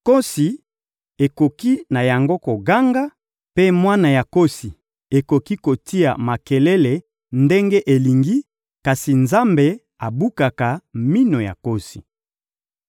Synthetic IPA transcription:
ko˦si˨ | e˨ko˨ki˦na˨ja˨ŋɡo˦ko˨ɡa˦ŋɡa˦ | pe˦mwa˦na˨ja˨ko˦si˨ | e˨ko˨ki˦ko˨ti˦a̰˨ma˨ke˨le˦le˨ | nde˦ŋɡe˦ʔe˨li˨ŋɡi˦ | ka˨si˨nza˦mbe˨ | a˨bu˦ka˨ka˨mi˦no˨ja̰˨ko˦si̥̰˨

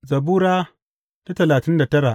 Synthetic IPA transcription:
zɐ˨buː˦ɾaː˦ | ta˦tɐ˨laː˨tɪ˦nda˨tɐ˦ɽa˨ʔ

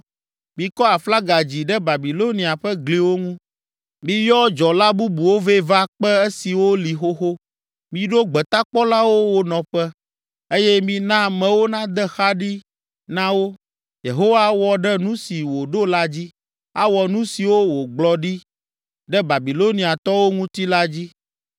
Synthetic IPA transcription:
mĩ˨kɔ˦a˨fla˦ɡa˨d͡ʑi˨ɖɛ˦ba˨bi˨lo˦nĩ˨a˨ɸɛ˦ɡli˨wo˦ŋũ˦ | mĩ˨jɔ˦d͡ʒɔ˨la˦bu˦bu˨wo˦ve˦va˦k͡pɛ˦e˦si˨wo˦li˨xo˦xo˦ | mĩ˨ɖo˦ɡ͡bɛ˨t̪a˦k͡pɔ˦la˦wo˦wo˨nɔ̃˨ɸɛ˦ | e˦jɛ˦mĩ˨nã˦mɛ̃˨wo˦nã˦d̪ɛ˦xa˦ɖi˦ | nã˦wo˦ | je˨ɦo˦wa˦wɔ˨ɖɛ˦nũ˦si˨wo˨ɖo˦la˦d͡ʑi˦ | a˦wɔ˨nũ˦si˨wo˦wo˨ɡ͡blɔ˦ɖi˦ | ɖɛ˦ba˨bi˨lo˦nĩ˨a˨t̪ɔ˦wo˦ŋũ˦t̪i˦la˦d͡ʑi˦

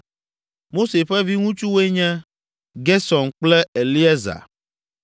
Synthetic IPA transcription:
mo˦se˨ɸɛ˦vi˦ŋũ˦t͡ʃu˦we˦ɲɛ̃˦ | ɡɛ˦sɔ˨nk͡plɛ˦e˨li˦ɛ˦za̰˨

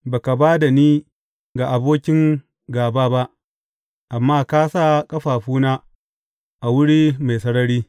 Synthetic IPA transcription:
baː˨ka˨baː˦da˨niː˦ | ɡa˨ʔa˨boː˦kʲɪ˦ŋ | ɡaː˨baː˦ba˦ʔ | ʔa˨mːaː˦kaː˦saː˦˨kʼɐ˦ɸaː˨ɸuː˦naː˦ | ʔa˨wʊ˦ɽiː˦ma˨jsɐ˦ɽɐ˦ɽiː˦

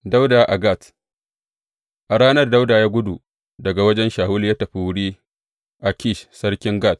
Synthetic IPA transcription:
da˦wdaː˨ʔa˨ɡa˦˨t | ʔa˨ɽaː˦nɐ˦rda˦wdaː˨jaː˦ɡʷʊ˦du˨ | dɐ˨ɡa˨wɐ˦d͡ʒɛ˦nʃaː˨hʊ˦li˨jaː˦tɐ˨ɸi˦˨wʊ˦ɽiː˦ | ʔa˨kʲi˦˨ʃsɐ˦ɽkʲɪ˦ŋɡaː˦˨t̚

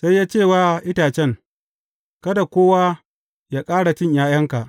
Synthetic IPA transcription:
sa˦jːaː˦t͡ʃeː˦˨waː˦ʔɪ˦taː˨t͡ʃɛ˦ŋ | kɐ˦da˨kʷoː˦waː˦ | jaː˦kʼaː˦ɽa˨t͡ʃɪ˦ɲjaː˦jɐ˦ŋka˨ʔ

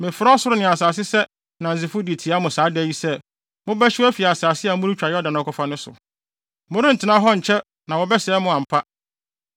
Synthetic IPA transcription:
mɪ̃˨fɾɔ˦sʊ˦ɾʊ˦nɪ̃˨a˨saː˨s̬ɪ˦sɛ˦ | nã˨n̩˨zɪ˨fʊ˦di˨tʰi˨a˦mʊ̃˨saː˨˦dɛ˦ji˦sɛ˦ | mʊ̃˦bɛ˦ɕɪ˦æ˦fi˨a˨saː˨sɪ˦a˨˦mʊ̃˦ʊ˦t͡ɕᶣa˨jɛ˦ɔ˦dã˨nʊ̃˨˦kʰɔ˨fa˦nʊ̃˦sʊ̰˨ | mʊ̃˦ɾɪ̃˦n̩˨tʰɪ˨nã˦ɦɔ˦ɲ̩˨t͡ɕʰɛ˦ | nã˨wɔ˨bɛ˦sɛ˨˦mʊ̃˦ã˨m̩˨pʰa˦

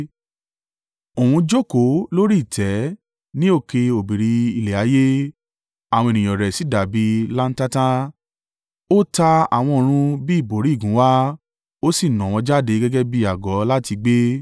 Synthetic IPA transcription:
o˨wũ˧d͡ʒo˦˨ko˨˦lo˦ɾi˦˨tʰɛ˨˦ | nĩ˦o˦˨ke˧o˨bi˨ɾi˧i˧le˨a˨˦je˦ | a˨w̃ɔ̃˧e˨nĩ˨j̃ɔ̃˨ɾɛ˨si˨˦˨da˨bi˨˧˦la˦n̩˦ta˦tã˦ | o˦ta˧a̰˨w̃ɔ̃˧o˨ɾ̃ũ˧bi˦˨bo˨˦ɾi˨˦˨ɡũ˨˦wa˦ | o˦si˦˨nɔ̃˨w̃ɔ̃˧d͡ʒa˦˨de˨˦ɡɛ˦ɡɛ˦bi˦a˨ɡɔ˨˦la˦ti˧ɡ͡be˦

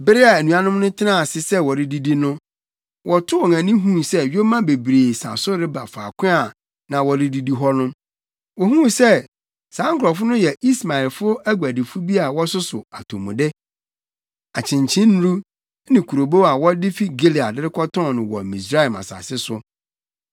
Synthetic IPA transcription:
bɪ˦ɾɪ˦a˨æ˨nũ˨a˦nʊ̃˦mnʊ̃˦tʰɪ˦nã˦˨sɪ˨sɛ˦wɔ˨ɾɪ˦di˦di˦nʊ̃˦ | wʔɔ˨tʰʊ˦wɔ˨ŋã˨nĩ˦ɦũ˦˨sɛ˦ɥo˦mã˦be˨bɾeː˨sa̰˨sʊ˦ɾɪ˦ba˨faː˨kʷʰɪ̃˦a˨ | nã˨wɔ˨ɾɪ˦di˦di˦ɦɔ˦nʊ̃˦m | wɔ˨hũ˦sɛ˦˨ | sãː˨˦ŋ˦kʰʊ˨ɾɔ˨fʊ˦nʊ̃˦jɛ˨i˦sma˨ɪ˨lfʊ˦æ˦ɡʷæ˨dɪ˨fʊ˦bi˦a˨wɔ˦sʊ˦sʊ˨a˨tʰõ˨mũ˨dɪ˦ | a˨t͡ɕʰɪ̃˨ɲt͡ɕʰɪ̃˦n˦ɾu˦ | nɪ̃˨kʰu˨ɾo˨bo˦a˨wɔ˦dɪ˦fi˦ɡe˦li˨a˨dɪ˦ɾɪ˦kʰɔ˦tʰɔ̃˦˨nɪ̃˨wɔ̰˨mĩ˨s̬ɾa˦ɛ˨ma̰˨sa̰˨sɪ˦sʊ˦

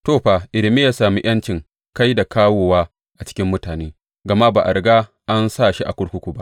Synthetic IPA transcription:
toː˦˨ɸa˨ʔɪ˨lɪ˨mi˦jaː˦saː˨mi˦j̰ɐ˦nt͡ʃɪ˨ŋ | ka˦jda˨kaː˦woː˨waː˦ | ʔa˨t͡ʃɪ̥˦kʲɪ˦mːʊ˦taː˨neː˦ | ɡɐ˨ma˦baː˨ʔa̰˨ɽɡa˦ | ʔa˦nsa˦˨ʃi˦ʔa̰˨kʷʊ˦ɽkʷʊ˦kʷu˨ba˦ʔ

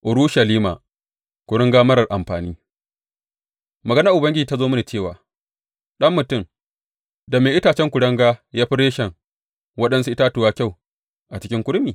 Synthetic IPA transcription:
ʔʊ˨ɾuː˦ʃɐ˨liː˦ma̰ː˨ | kʷʊ˨ɽɐ˦ŋɡaː˦mɐ˦ɾɐ˨rʔa˨mɸaː˨niː˦ | mɐ˨ɡɐ˦na˦ʔʊ˨bɐ˦ŋɡʲɪ˦d͡ʒiː˨ta˦zoː˦mɐ˦ne˨t͡ʃeː˦˨waː˨ | ɗɐ˦mːʊ˨tʊ˦˨m | da˨meː˨ʔɪ˦taː˨t͡ʃɛ˦ŋkʷʊ˨ɽɐ˦ŋɡaː˦jaː˦ɸi˦ɾeː˦ʃɛ˨ŋ | wɐ˦ɗɐ˦nsu˦ʔɪ˦taː˦tʊ˨waː˦kʲa˦˨w | ʔa˨t͡ʃɪ˦kʲɪ˦ŋkʷʊ˦ɽmiː˨

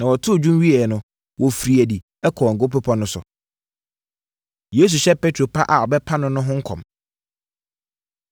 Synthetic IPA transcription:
nã˨wɔ˨tʰʊ˦˨d͡ʑᶣũ˦mɥi˦ɛ˨nʊ̃˦ | wʔɔ˨fɾi˨æ˨di˨ | ɛ˦kʰɔ˨ɔ˨ŋ̩˨ɡʊ˦pʊ˦pʰɔ̃˦nʊ̃˦sʊ̰˨ | je˦s̬u˨ɕɛ˦pʰe˦tʰɾo˨pʰa˦ʔa˨ɔ˨bɛ˦pʰa˦nʊ̃˦nʊ̃˦ɦʊ̃˦ŋ̩˦kʰɔ̰̃˨m

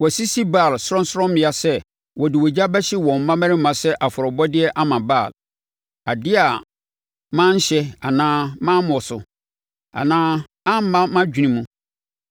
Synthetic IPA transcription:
wɔ˨si˦si˦baː˦˨lsʊ˦ɾɔ̃˦n˦sʊ˦ɾɔ̃˦mmɪ̃˦˨a˨sɛ˦ | wɔ˨dɪ˨wɔ˨d͡ʑa˦bɛ˦ɕɪ˦wɔ̃˨m̩˨˦mã˦mæ̃˦ɾɪ̃˦m˦mã˨sɛ˦ʔa˨fʊ˨ɾɔ˨bɔ˦dɪ˦ɛ˦ʔa˦mã˨baː˦˨l | a˨dɪ˦a˨ | mã˦ɲ̩˦ɕɛ˦a˨nãː˦mã˦mɔ̃˨sʊ˨ | a̰˨nãː˦ | ã˦m̩˦mã˦mã˦d͡ʑᶣi˨ĩ˦mũ˦

